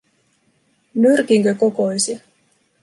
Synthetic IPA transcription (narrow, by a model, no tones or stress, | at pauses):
myrkiŋkøkokojsi